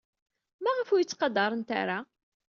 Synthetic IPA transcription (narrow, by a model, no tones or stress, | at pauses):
mæʁəfujət͡sːqɑd̪ɑɾˤənt̪a̰ɾa